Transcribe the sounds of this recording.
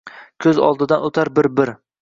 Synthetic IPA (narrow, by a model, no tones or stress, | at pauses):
kʲʰɵzɒ̰lˠd̪ɪd̪anot̪ʰaɾbɪɾbɪɾ